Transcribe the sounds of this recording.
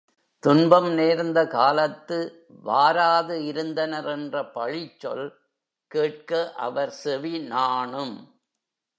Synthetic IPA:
t̪ʊɳbɐmneːɾnd̪ɐkaːlɐt̪ːɯ | ʋaːɾaːðɯɪɾɯnd̪ɐnɐɾɛndrɐpɐɻɪt͡ʃːɔ̰l | keːʈ̚kɐʔɐ̰ʋɐɾsɛʋinaːɳɯm

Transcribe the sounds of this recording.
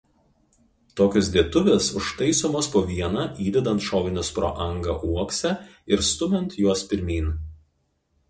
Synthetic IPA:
t̪oːkʲʊs̬d̪ʲiɛt̪ʊʋʲɛsʊʃt̪ɐɪsoːmoːspoːʋʲiɛnɑːiːd̪ʲɛd̪ɐnt̪ʃoːɡʲɪnʲʊspɾo̰ːʔɐŋɡɐʔuɔksʲɛɪɾst̪ʊmʲɛnt̪juɔspʲɪɾʲmʲiːn

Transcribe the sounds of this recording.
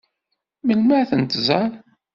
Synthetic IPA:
məlmæθənt̪zæl

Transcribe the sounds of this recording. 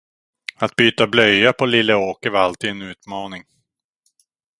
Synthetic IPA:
at̪̚byːt̪ablœjapʰɔlɪlːəoːkəvalt̪ʰiːd̪ɛnʉ̟ːt̪mɑːnɪŋ

